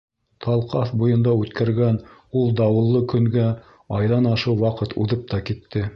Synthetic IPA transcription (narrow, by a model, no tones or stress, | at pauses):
t̪ʰɑlˠqɑθbujɤ̆nd̪ɑʉt̪kʰæɾɡænulˠd̪ɑwɤ̆lˠːɤkɵ̆ŋɡæ | ɑjðɑnɑʃɤwwɑqɤt̪ʰuðɤp̚t̪ɑkit̪ːɘ